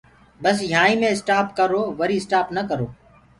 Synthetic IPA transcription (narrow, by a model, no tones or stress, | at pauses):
bəs̬jãːĩːmẽːɪsʈaːpkəɾoːʋəɾiːsʈaːpnəkəɾoː